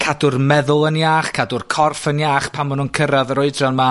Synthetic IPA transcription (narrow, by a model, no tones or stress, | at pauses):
kʰadʊrmɛðʊlˠənjaːχkʰadʊrkʰɔrfənjaːχpʰamʊnunkʰəɾaðəɾʊɨdranma